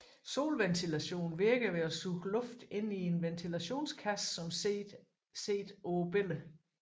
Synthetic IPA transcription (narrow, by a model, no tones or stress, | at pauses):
so̝̰ːlʋent͡sʰilæɕo̝̰ːn̩ʋiɐɡ̥ðˠʋe̝ɒsuɡ̥lɔ̽fd̥e̝nie̝nʋent͡sʰilæɕo̝̰ːnskʰæsːɒ̽m | se̝̰ːd̥ob̥elə